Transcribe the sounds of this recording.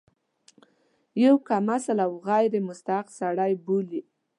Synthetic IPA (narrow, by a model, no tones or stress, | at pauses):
jawkamasalawɣajɾemʊst̪aqsaɽajbuli